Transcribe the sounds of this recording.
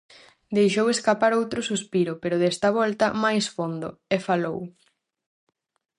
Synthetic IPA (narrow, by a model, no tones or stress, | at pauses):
d̪ejʃoweskapaɾowt̪ɾʊsuspiɾʊpeɾʊðɛst̪ɐβ̞ɔlt̪ɐmajsfond̪ʊ̰efalow